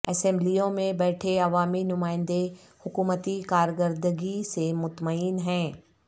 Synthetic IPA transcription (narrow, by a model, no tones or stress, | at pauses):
ɛsɛ̃mblijõmẽbɛːʈʰeɐʋaːminʊmaːɪ̃nd̪e | hʊkuːmət̪ikaːɾkəɾd̪əɡisemʊt̪məiːnɦɛ̃ː